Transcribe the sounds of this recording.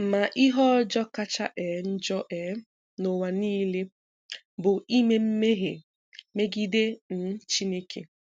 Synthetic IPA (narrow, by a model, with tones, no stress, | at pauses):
ma˨ʔi˦ɦɔ˦d͡ʒɔ˦ka˦t͡ʃa˦ʔɛ˨n̩˦d͡ʒɔ˦ʔɛ˨˦ | no˨wa˨niː˦le˦ | bʊ˨i˦me˦m̩˦me˦ɦe˨ | me˦ɡi˦de˦n̩˦t͡ʃi˦ne˦kʰḛ˨